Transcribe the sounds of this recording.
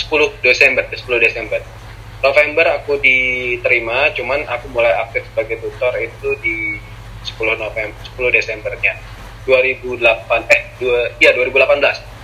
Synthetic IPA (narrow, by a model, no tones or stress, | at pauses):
sə̥pulʊhdesɛmbərdasə̥pulʊhdesɛmbər | nofɛmbərakudit̪əɾimat͡ʃumanakumulajak̚t̪ɪfsəbaɡajt̪ut̪ɔrit̪udi | sə̥pulʊhnofɛmbərsə̥pulʊhdesɛmbərɲa | d̥uaɾibulapanɛhdijaduaɾibulapanbəlas